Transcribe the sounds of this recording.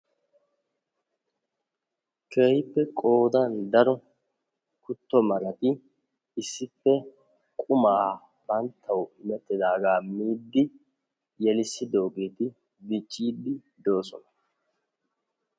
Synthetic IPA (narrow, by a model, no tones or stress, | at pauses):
kʰeːjɪpːɛkʼo̞ːd̪ɐnd̪ɐɾɔ | kʊt̪ːɔmɐɾɐt̪ɪ | ɪsːɪpːɛ | kʼʊmaː | b̥ɐnt̪ʰːɐwmɛt̪ʼːɪd̪aːɡaːmiːd̪ːɪ | jɛlɪsːɪd̪o̞ːɡe̞ːt̪ɪ | bɪt͡ʃʼːiːd̪ːɪ | d̪o̞ːsɔ̰nɐ